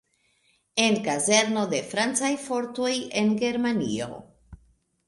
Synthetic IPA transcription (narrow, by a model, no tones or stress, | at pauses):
e̞nkaze̞ɾno̞de̞fɾant͡sajfo̞ɾtoje̞nɡe̞ɾmanḭo̰